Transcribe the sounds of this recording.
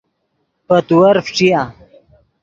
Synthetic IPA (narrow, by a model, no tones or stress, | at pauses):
pɐt̪uwɐɾfʈ͡ʂija